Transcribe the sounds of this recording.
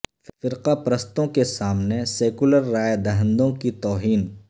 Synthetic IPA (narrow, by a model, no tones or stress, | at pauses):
fɪɾqapɾəst̪õkesaːmneseːkʊləɾːaːjd̪ɐɦə̃nd̪õkit̪ɔːɦiːn